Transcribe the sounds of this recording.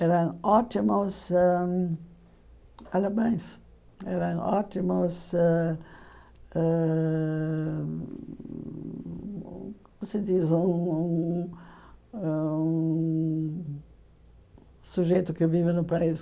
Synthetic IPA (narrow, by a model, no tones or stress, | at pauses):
ɛɾɐ̃ŋ̃ɔt̪imʊsɛ | alabɐ̃j̃s | ɛɾɐ̃wɔt̪imʊsɛ | ɛ | msed̪izũũ | ũ | suʒejt̪ʊkɪvivɪnʊpais